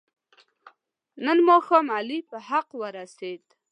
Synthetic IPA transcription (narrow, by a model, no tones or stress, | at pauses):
nənmɔxamalipəhaqwəɾaset̪ʼ